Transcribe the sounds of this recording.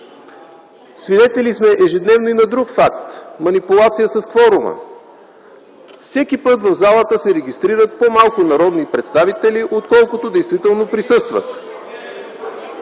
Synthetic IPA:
svid̪ɛt̪ɛlismɛʔɛʒɛd̪nɛvnoinɐd̪ɾukfak̚t̪mɐnipʊlˠat̪sijəsɐskvɔɾʊmə̰ | fsɛkipɤt̪vɐvzalˠət̪əsɛɾɛɡʲist̪ɾiɾət̪̚pomalˠkʊnɐɾɔd̪nipɾɛt̪st̪avit̪ɛliʔot̪kɔlˠkʊt̪od̪ɛjst̪vit̪ɛlˠnopɾisɤst̪və̰t̪

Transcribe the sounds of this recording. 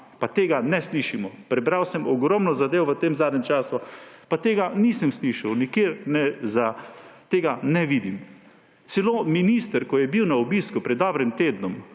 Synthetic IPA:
pat̪eːɡanɛsliʃimɔpɾɛbɾawsɛmʔɔɡɾɔmnɔzad̪eːʋɔʋət̪eːmzaːd̪nʲɛmt͡ʃaːsʊpat̪eːɡaniːsəmsliʃawnikjeːɾnɛzat̪eːɡanɛʋiːd̪im | sɛloːminiːst̪əɾkɔjɛbiwnaɔbiːskupɾɛd̪dːɔbɾimt̪eːd̪nɔm

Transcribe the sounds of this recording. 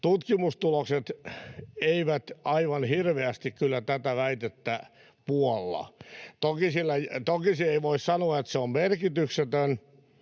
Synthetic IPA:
t̪ut̪kimust̪ulokset̪ | eiʋæt̪ɑiʋɑnhirʋeæst̪ikkylːæt̪æt̪æʋæit̪et̪ːæ | puolːɑ̰t̪okisilːæjt̪okisieiʋoissɑnoɑet̪seommerkit̪ykset̪øn

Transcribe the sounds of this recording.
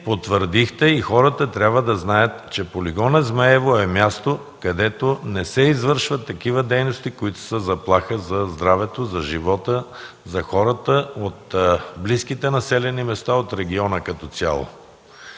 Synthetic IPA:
pot̪vəɾd̪ixt̪ɛixɔɾət̪ət̪ɾʲabvəd̪ɐznajət̪t͡ʃɛpoliɡɔnəzmaɛvoɛmʲjast̪o | kɐd̪ɛt̪onɛsɛizvəɾʃvət̪ːɐkivəd̪ɛjnost̪ikoit̪ʊ̥səzɐplˠaxəzɐzd̪ɾavɛt̪ozɐʒivɔt̪ə | zɐxɔɾət̪əot̪bliskit̪ɛnɐsɛlɛnimɛst̪aot̪ɾɛɡ̟iɔnəkɐt̪ɔt̪sʲja̰lˠo̰

